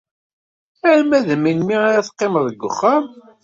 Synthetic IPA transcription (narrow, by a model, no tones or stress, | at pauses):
æʕmæðəminmiaɾaθə̥qːeməðˤəɡʷːə̰χːam